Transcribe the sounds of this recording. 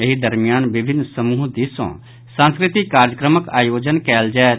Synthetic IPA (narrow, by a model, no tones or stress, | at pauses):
eɦid̪əɾmɪjaːnbɪbʱɪnːsəmuːɦd̪isõ̰ | sãːnskɾɪt̪ɪkːaːɾjəkɾəməkaːjoːd͡ʒənkɛːld͡ʒɛː